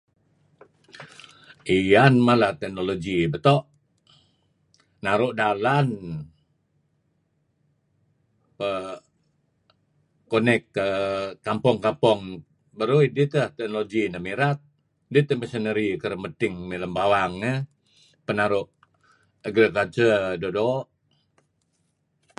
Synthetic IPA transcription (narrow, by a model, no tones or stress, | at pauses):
ianmalaht̪ɛk̚noloɡibət̪ɔʔ | naɾʊʔdalan | pə | onɛkːəːampɔŋkapɔŋ | bəɾuidit̪ət̪ɛk̚noloɡinəmiɾat̪̚ | dit̪əməsənəɾikəɾəmət̪ɪŋmiləmbawaŋːə | pənaɾʊʔ | aɡɾikalt͡ʃədodo